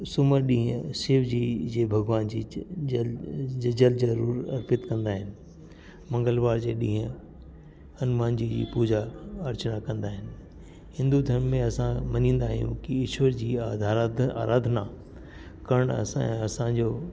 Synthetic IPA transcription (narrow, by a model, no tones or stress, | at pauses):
sʊməɾɗĩːɦə̃sɪːʋd͡ʑiːd͡ʑeːbʱɐɡʋaːnd͡ʑiːlɐd͡ʑəlzɐɾuːɾɐ̰ɾpɪt̪kɐ̃nd̪aːɦɪnɪ̆ | mɐ̃ŋɡəlʋaːɾd͡ʑeːɗĩːɦə̃ | ɐnmaːnd͡ʑid͡ʑḭːpuːd͡ʑaɐɾt͡ɕənakɐ̃nd̪aːɦɪnɪ̆ | hɪ̃nd̪ud̪ʱɐɾmːẽɐsãmɐnĩːn̆d̪aːɦijṵ̃kiɪʃwəɾd͡ʑiːad̪ʱa̰ːɾaːd̪ʱna | kɐɽ̃ɐ̰ɛ̰̃ɐsãd͡ʑoː